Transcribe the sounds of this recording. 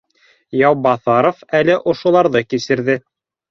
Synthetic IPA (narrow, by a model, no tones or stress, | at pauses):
jɑwbɑθɑɾofælɘʔŏʃŏlˠɑɾðɤkisɘ̆ɾðɘ